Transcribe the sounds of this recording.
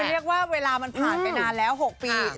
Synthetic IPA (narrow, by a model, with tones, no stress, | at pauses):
ɾi˥˩ək̚waː˥˩weː˧laː˧ma˧npʰaː˨˩pa˧jnaː˧nlɛː˦˥wɦo˨˩k̚piː˧